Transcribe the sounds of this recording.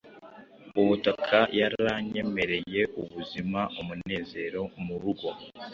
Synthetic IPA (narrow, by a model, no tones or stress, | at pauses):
uwotakʰajaɾaɲe̞me̞ɾe̞je̞uβuzimaomune̞ːze̞ːɾo̞muɾuɡo̞